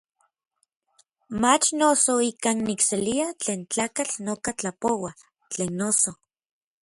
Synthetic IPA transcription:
mat͡ʃnosoikannikseliat͡ɬeːnt͡ɬaːkat͡ɬnokat͡ɬapowa | t͡ɬeːnːoso

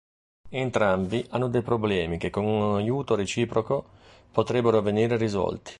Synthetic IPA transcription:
ent̪ɾambiʔanːʊd̪ɛjpɾoblɛːmik̟ekːoŋunajuːt̪oɾet͡ʃiːpɾoko | pot̪ɾɛbːeɾoveniːɾeɾizɔ̰lt̪i̥

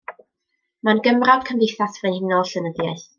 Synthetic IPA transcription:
manɡəmrab̥kʰəmvɪjθasvɛnhɪnɔlɬənəðjajθ

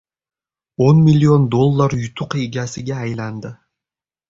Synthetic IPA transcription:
onmilʲːio̞nd̪o̞lˠːaɾjʊt̪ʰʊqiɡʲasɪɡʲaːjland̪ɪ

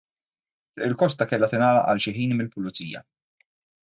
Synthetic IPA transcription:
fɪʔɪlkɔst̪ɐkɛlːɐt̪ɪnɐːlɐ̰ʔɐ̰lʃɪħiːnmɪlpʊlʊt͡sḭːjɐ̰

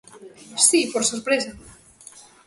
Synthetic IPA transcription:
sipoɾsoɾpɾesɐ

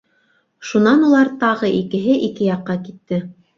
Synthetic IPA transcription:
ʃunɑnulˠɑɾt̪ɑʁɤʔikɘ̆ɦɘʔikɘjɑqːɑkit̪ːɘ

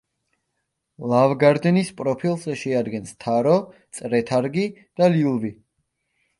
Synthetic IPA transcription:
lˠavɡaɾd̪ɛnispʼɾɔpʰilˠzɛʃɛad̪ɡɛnst̪ʰaɾɔt̪sʼɾɛt̪ʰaɾɡid̪̥aliulˠvi

